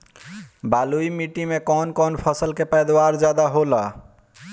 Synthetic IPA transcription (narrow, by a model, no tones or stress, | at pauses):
baluimiʈimekɔnkɔnpʰəsəlkepɛjd̪waɾd͡ʒjad̪aɦolə